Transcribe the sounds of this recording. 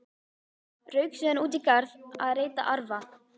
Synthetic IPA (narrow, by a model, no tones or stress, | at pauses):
rœːɥksʏːðanuːt̪̬ikaɾðaðreːjt̪a̰ʔaɾva